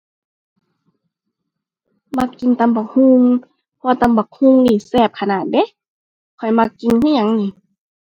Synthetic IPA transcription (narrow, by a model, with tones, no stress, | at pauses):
ma˧kːi˧˨nt̪a˧˨mba˨˩k̚hu˧ŋ | pʰɔː˧t̪a˧mba˨˩k̚hu˧˥˨ŋniː˧˩sɛː˧˩p̚kʰa˧˨naː˨˩t̪̚de˧˦ | kʰɔ˨˩jma˧kːi˧˨nkʰa˧˥˨ɲa˧˦ŋniː˧˩